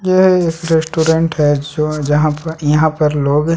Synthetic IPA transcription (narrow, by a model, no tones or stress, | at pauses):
jeeːkɾesʈuːɾẽɳʈɦɛd͡ʒod͡ʒɐɦãpjɐɦãpɐɾloːɡ